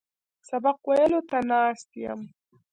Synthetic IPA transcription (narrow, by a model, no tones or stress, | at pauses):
sabaqwelot̪anaːst̪ija̰m